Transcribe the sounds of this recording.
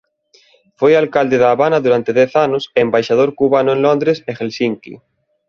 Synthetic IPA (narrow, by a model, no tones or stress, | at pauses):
fojalkald̪eðaːβanɐðuɾant̪eðɛθanʊsembajʃaðoɾkuβanʊẽnlond̪ɾesexelsiŋkḭ